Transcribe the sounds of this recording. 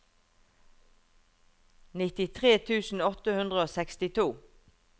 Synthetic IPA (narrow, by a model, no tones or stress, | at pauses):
nɪt̪ɪt̪ʰʁeːt̪ʰʉːsn̩ɔt̪əhʉnd̪ʁəoːsɛkst̪ɪt̪ʰuː